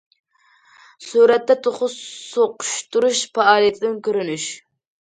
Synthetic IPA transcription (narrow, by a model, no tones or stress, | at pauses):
suɾɛt̪ːɛt̪ʰoχʊsoqʊ̥ʃt̪uɾuʃfɑɑːlˠijɛt̪ʰɪd̪ɪnkʲøɾynyʃ